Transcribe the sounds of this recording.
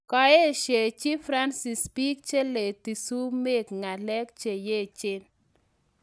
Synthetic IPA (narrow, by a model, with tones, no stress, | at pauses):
kɔ˨e˦˨ʃe˨t͡ʃi˦fɾa˦nsɪ˨spi˦k̚t͡ʃe˦le˨ti˨su˦me˦kŋa˨lɛ˦kt͡ʃe˨je˦˨t͡ʃɪ˦n